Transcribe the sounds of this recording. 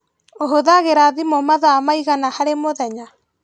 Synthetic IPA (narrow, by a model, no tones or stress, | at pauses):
oɦoðaɣeɾaðimomaðaamaiɣanahaɾemoðɛɲa